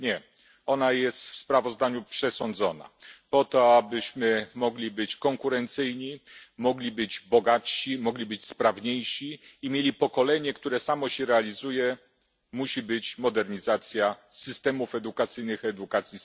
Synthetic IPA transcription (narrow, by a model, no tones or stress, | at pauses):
ɲɛ | ɔnajɛst̪fspɾavɔzd̪aɲupʂɛsɔnd̪zɔna̰pɔt̪ɔabɘɕmɘmɔɡlʲibɘt͡ɕkɔŋkuɾɛnt̪sɘjɲimɔɡlʲibɘd͡ʑbɔɡatɕimɔɡlʲibɘt͡ɕspɾavɲejʂiːmʲjelʲipɔkɔlɛɲɛkt̪uɾɛsamɔɕɛɾɛalʲizujɛ | muɕibɘt͡ɕmɔd̪ɛɾɲizat̪sʲjasɘst̪ɛmufɛd̪ukat̪sɘjnɘxɛd̪ukat̪sʲji